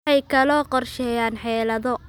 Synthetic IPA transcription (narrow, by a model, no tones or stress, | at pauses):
ɛjkʰɐlɔːqɔrʃɛːjaːnħɛːlɐðɔ